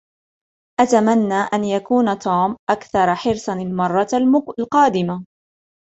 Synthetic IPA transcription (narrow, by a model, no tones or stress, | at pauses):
ʔat̪amanːaːʔanjakuːnat̪ʰuːmʔakθɑɾˤɑħɪɾsanalmɑrˤːɑlqɑːd̪ɪma